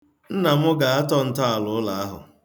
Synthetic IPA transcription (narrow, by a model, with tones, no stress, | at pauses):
n̩˦na˨mʊ˦ɡa˨a˦tɔ˦n̩˨tɔ˦a˨lʊ˨ʊ˦la˨a˦ɦʊ̰˨